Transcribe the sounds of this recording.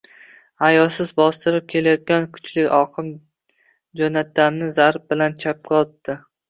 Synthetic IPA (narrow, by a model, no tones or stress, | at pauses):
hajɒlsɪzbɒst̪ɪɾɪp̚kʲʰe̞lajɒt̪̚kʲankʰʊ̥t͡ʃlɪkʲɒqʰɨm | d͡ʒonat̪̚ːannːɪzaɾp̚bɪlant͡ʃʰap̚kʰʲɒlˠt̪d̪ɪ